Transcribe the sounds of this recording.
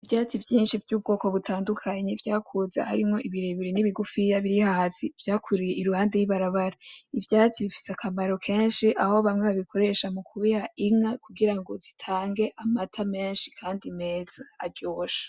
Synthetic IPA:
ivjaːt͡sivjiːnʃivjuːb̚ɡo̞ːko̞βutʰaːndukʰaɲevjaːkʰuza̰haɾimŋo̞ʔiβiɾeβiɾiniβiɡufijaβiɾihasiv̥jaːkʰuɾije̞ʔiɾuhaːnde̞jiβaɾaβaɾaivjaːt͡siβifi̥sakʰamaɾo̞kʰe̞ːnʃiʔaho̞βamŋeβaβikʰo̞ɾe̞ʃamukʰuβihaʔiŋakuɡiɾaŋɡo̞zitʰaːŋɡe̞ʔamatʰame̞ːnʃi̥kʰaːndimeːz̥aaɾɟoːʃḁ

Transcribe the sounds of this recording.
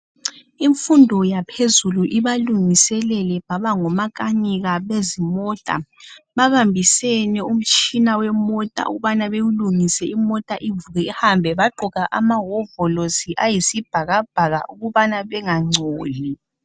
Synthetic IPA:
iɱfundʱɔjapʰezuluʔiβaluŋisɛlɛlɛβaβaŋɔmakʼaniɣaβezimɔtʼa̰βaβambʱisɛnɛum̩t͡ʃʼinawɛmɔtʼa̰ṵɣuβanaβeɣuluŋisɛimɔtʼaʔivuɣɛihambʱɛβaǃʱuɣaʔamaɦɔvɔlosiʔajisib̥ʱaɣab̥ʱaɣa̰ʔuɣuβanaβɛŋaŋ͡ǀʱoːli

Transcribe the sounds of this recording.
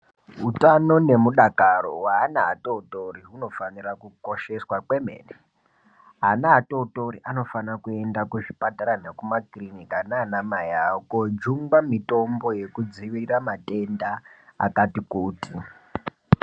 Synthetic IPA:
ɦutano̞ne̞muɗakaro̞waːnaɦa̰touto̞riɦuno̞fanirakuko̞ʃe̞swakwe̞mḛːne | ɦanaɦːto̞to̞ɾiʔano̞fanakue̞ndakuʐipataɾanekumakrinikanaːnamajakod͡ʒuŋɡwamito̞mbo̞je̞kud͡ziʋiramate̞ndaa̰katikuːti

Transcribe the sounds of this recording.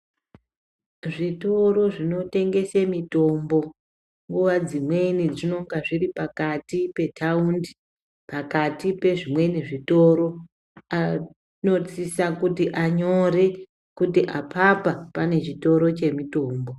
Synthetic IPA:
ʐito̞ɾo̞ʐino̞te̞ŋɡe̞semito̞mbo̞ | ŋɡuʋad͡zimwe̞inid͡zino̞ŋɡaʐiripakatipe̞tʰaundi | pakatipe̞ʐimwe̞niʐito̞ɾo̞ | a | no̞t͡sisakutiʔaɲo̞re | kutiʔapʰapapane̞t͡ʃito̞ɾo̞t͡ʃe̞mito̞ːmbo̞

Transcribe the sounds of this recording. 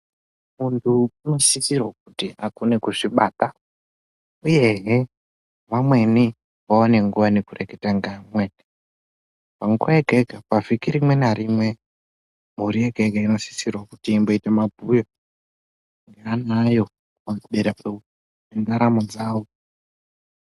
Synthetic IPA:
muntʰuino̞sisirwak̚utiakunekuʐiɓaːta | ujeɦe | ʋamwe̞ni | ʋaone̞ŋɡuʋanekureketaŋɡamweni | paŋɡuajeɡʱeɡʱapavikiɾimwe̞naɾimwe | muɾijeɡʱeɡʱaino̞si̥sirwakutiːmbo̞itemabʱujo | ŋɡeanajo̞ | kaniɓeɾae | end͡zaɾamod͡zaːwo

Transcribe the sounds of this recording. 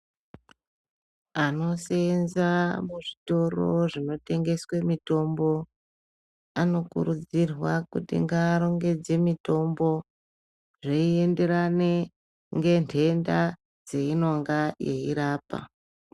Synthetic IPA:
ano̞senzamuʐito̞ro̞̰ʐino̞te̞ŋɡe̞swe̞mito̞mbo̞ | ano̞kṵɾud͡zirwakutḭŋɡaːɾo̞ŋɡe̞d͡ze̞mito̞mbo̞ | ʐeie̞nde̞ɾane | ŋɡe̞ntʰe̞nda | d͡ze̞ino̞ŋɡaje̞̰iɾaːpa̰

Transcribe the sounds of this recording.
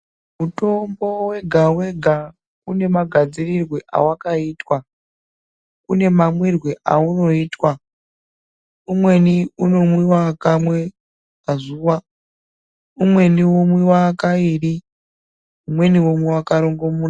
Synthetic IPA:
muto̞mbo̞we̞ɡʱawe̞ɡʱa | une̞maɡʱad͡zirirwe̞ʔa̰wakaiːtwa | une̞mamwirweʔa̰uno̞iːtwa | umwe̞niuno̞mwiwakamwe̞ | mazuːʋa | umwe̞niwomwiwakairi | umwe̞niwomwiwakaɾo̞ŋɡo̞muːna

